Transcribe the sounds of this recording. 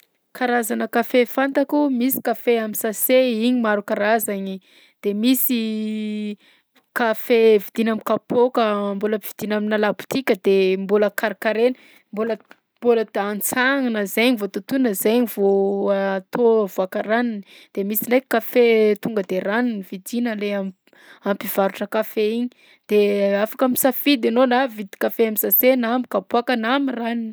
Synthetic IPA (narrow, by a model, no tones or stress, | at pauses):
kaɾazanəkafefant̪akumisi̥kafeamisaseiɲimaɾukaɾazaɲi | d̪̥emisi | kafevid̪̥inamikapokəmboləv̥id̪̥inaminalabu̥t̪ikʲəd̪emboləkaɾikaɾenə | mbolə | mboləant͡saŋanəzeɲivot̪ut̪unəzeɲivoat̪ovoakaraninid̪̥emisinejkkafet̪uŋɡəd̪eɾaninivid̪inəleam | ampiv̥aɾuʈ͡ʂəkafeiɲi | d̪̥eafakamisafid̪enonavid̪i̥kafeamizasenamikapoakənamiranin